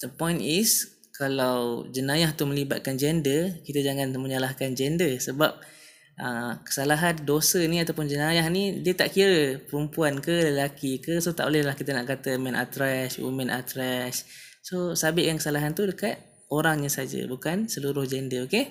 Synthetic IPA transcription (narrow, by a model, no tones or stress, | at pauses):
d̪əpɔjnis | kalawd͡ʒənajaht̪umə̃libat̪̚kand͡ʒɛndəkit̪ad͡ʒaŋanməɲəlahkand͡ʒɛndəsəbap̚ | ʔəkə̥salaɦandosəniat̪awpʊnd͡ʒənajahnidiət̪aʔkiɾəpəɾəmpuankələlakikəsot̪aʔo̰lɛhlahkit̪ənaʔkat̪əmɛna̰t̪ɾɛswḭmɛnʔa̰t̪ɾɛs | sosabɪʔjaŋkəsalaɦant̪udəkat̪̚ | oɾaŋɲasad͡ʒə̰bukansəluɾʊhd͡ʒɛndəoke